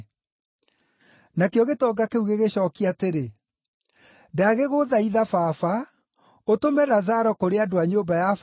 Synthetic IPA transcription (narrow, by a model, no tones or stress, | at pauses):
nakeɔɣetɔːɡakeuɣeɣeɕɔːkiateɾe | daaɣeɣoðaiðafaːfa | otomɛðazaɾɔkoɾeadoaɲombajaf